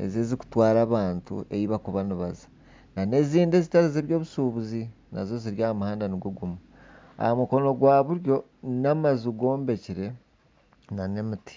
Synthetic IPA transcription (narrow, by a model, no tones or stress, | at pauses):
e̞̰zeziku̥twaːɾaːβaːntṵʔejiβakuβaniβazḁ | nane̞ziːnde̞zitaɾizeβjo̞ːβusuβuzi | na̰zo̞ziɾjaːhamuhaːndaniɡuɡumu | a̰hamuko̞no̞ɡwaːβuɾjo̞ | namazuɡo̞ːmbe̞ciɾe̞ | nane̞miti̥